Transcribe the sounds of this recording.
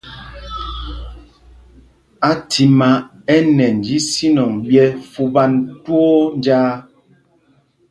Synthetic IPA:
a˨tʰi˨ma˨ | ɛ˦nɛ˨n̩˨d͡ʒi˦si˦nɔ˨ŋbjɛ˦fu˦ba˦ntwo˦nd͡ʒaː˦

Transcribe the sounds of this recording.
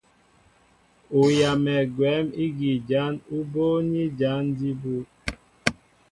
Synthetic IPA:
o˨ja˨mɛ˨ɡwɛ˨˦mi˦ɡi˨d͡ʒa˨˦nu˦bo˦ni˦d͡ʒa˨˦ndi˦bu˦

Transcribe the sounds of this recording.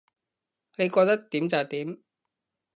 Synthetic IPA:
ne˨˧jkɔː˧k̚t̪ɐ˥k̚t̪iː˨˥mt͡sɐ˨˩t̪iː˨˦˥m

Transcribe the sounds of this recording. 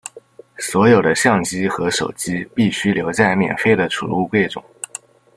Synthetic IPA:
swɔ˧˥jo˨˩ʊd̪ə˦ɕjɑ˥˩ŋt͡ɕi˥xɤ˧˥ʂo˨˩ʊt͡ɕi˥pi˥˩ɕy˥ljo˧˥ʊt͡ɕja˥˩ɪmjɛ̰˨˩nfe˥ɪd̪ə˨ʈ͡ʂʰṵ˨˩lu˥˧kwe˥˩ɪʈ͡ʂʊ̰˨˩˦

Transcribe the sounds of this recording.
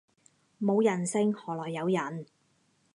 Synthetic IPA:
mo˨˧wjɐ˨˩nsɪ˥ŋhɔː˨˩lɔː˨˩jːɐ˨˧wjɐ˨˩n

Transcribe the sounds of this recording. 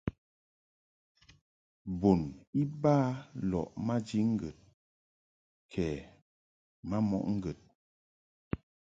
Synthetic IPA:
bo˨ni˦baː˦lɔ̰˨ʔma˦d͡ʒi˦ŋ̩˦ɡə˨t̚ | kʰɛː˨ | ma˦mɔ̰˦ʔŋ̩˦ɡə˨t̚

